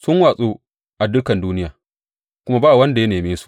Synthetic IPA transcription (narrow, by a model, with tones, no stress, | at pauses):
sʊ˦ŋwaː˨sʼuː˦ | ʔa˨dʊ˦kɐ˨nduː˦nɪ˦jaː˨ | kʷʊ˦ma˦baː˦˨wɐ˦nda˨ja˦neː˨meː˦su̥˨